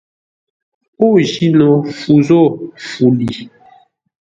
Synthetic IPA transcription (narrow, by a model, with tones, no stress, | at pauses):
o˦ʒi˦nɔ˨fu˨zɔ˦˨fu˨li˨